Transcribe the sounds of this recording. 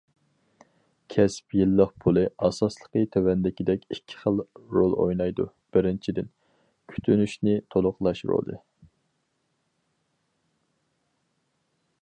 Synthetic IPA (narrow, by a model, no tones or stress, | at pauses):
kʲʰɛspjilːəqpʰulˠɨɑsɑslˠə̥qət̪ʰøwɛnd̪ɪkʲid̪ɛkʲikʲʰːɪ̥χəlˠɾolˠo̰jnɑjd̪ṵ | b̥ɪɾɪnt͡ʃʰid̪ɪn | kʲʰy̥t̪ʰynyʃnɪt̪ʰolˠʊqlˠɑʃɾo̰lˠɨ̰